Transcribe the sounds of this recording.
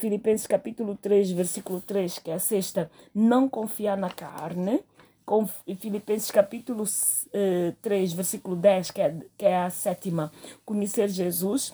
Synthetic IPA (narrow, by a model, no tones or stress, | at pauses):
filipẽsɪ̥ʃkɐpit̪ulut̪ɾeʃveɾsikulut̪ɾeʃkɛɐseʃt̪ɐ | nɐ̃w̃kõfiaɾnɐka̰ɾnɨ | kõfifilipẽsɪ̥ʃkɐpit̪ulusɛt̪ɾeʃveɾsikulud̪ɛʃkɛkɛɐsɛt̪imɐkuɲeseɾʒezuʃ